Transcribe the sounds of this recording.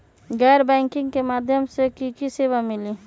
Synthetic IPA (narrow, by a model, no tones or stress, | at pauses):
ɡɛːɾbɛ̃ːŋkɪ̃ŋɡkemaːd̪ʱjəmsekikiseːʋamɪli